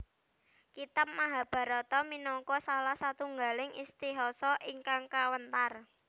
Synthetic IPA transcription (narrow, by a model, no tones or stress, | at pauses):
kit̪ap̚maɦa̤b̥a̤ɾɔt̪ɔminɔŋkɔsalahsat̪uŋɡa̤lɪŋist̪iɦɔsɔʔiŋkaŋkawənt̪ar